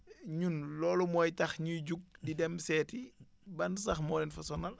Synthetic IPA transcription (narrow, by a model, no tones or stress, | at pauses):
ɲunlɔːlumɔːjtɐxɲujɟuɡ̚didɛmsɛːti | bɐnsɐxmɔːlɛnfɐsɔnɐl